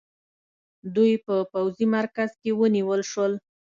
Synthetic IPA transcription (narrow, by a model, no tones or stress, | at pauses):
d̪ujpəpawzimaɾkaz̥kewəniwəlʃwəl